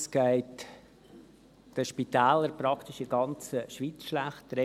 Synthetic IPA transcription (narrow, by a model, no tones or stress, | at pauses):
sɡ̥æɪt | d̥əʃpit̪æːləɾpɾɑkʰt̪ɪʃɪɡɑnt͡səʃʋiːt͡sʃlæχtɾe